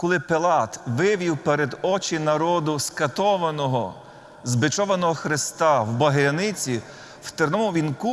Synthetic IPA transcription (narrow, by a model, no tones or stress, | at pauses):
kɔlˠɪpelˠɑt̪ʋɪʋʲiwpeɾed̪ɔt͡ʃɪnɐɾɔd̪ʊskɐt̪ɔʋɐnɔɦɔ | zbɪt͡ʃɔʋɐnɔɦɔxɾɪst̪ɑwbɐɦɾʲɐnɪt͡sʲi | w̥t̪eɾnɔmʊʋʲinku